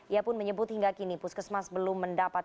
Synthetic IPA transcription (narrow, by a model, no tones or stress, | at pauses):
iapʊnməɲəbʊt̪hiŋɡakinipuskəsmasbəlʊmːəndapat̪